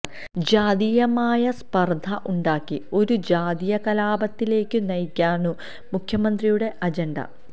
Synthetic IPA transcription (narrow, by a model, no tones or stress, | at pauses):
d͡ʑaːd̪ijɐmaːjɐspɐrd̪ʱɐʔuɳɖaːkːio̞ɾud͡ʑaːd̪ijɐkɐlaːbɐt̪ːile̞ːkːɨnɐjkʲːaːnu | mukʰjɐmɐnd̪rijuɽe̞ʔɐd͡ʑɐɳɖɐ̰